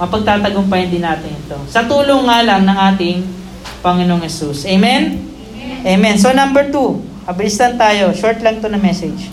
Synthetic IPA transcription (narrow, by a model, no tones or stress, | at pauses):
kɐpɐɡ̚t̪aːt̪ɐɡompɐhɪnd̪ɪnaːt̪ɪnɪt̪o̞sɐt̪uːloŋːaʔɐlaŋnɐŋʔaːt̪ɪŋ | pɐŋɪno̞ŋhɛsusʔɛjmɛn | ʔejmɛns̬onɐmbɛɹt̪u | ʔɐbɪlɪslɐnt̪aːjo̞ʃoɹt̪lɐŋ̚t̪onɐmɛsɛd͡ʒ